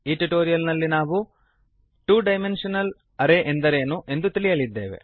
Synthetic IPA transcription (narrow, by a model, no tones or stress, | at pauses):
iːʈiʈoːɾijɐlnɐlːinaːʋu | ʈuːɖɐjme̞nʂɐnɐl | ɐɾeʔend̪ɐɾe̞ːnuʔe̞nd̪ut̪iɭijɐlid̪ːeːʋḛ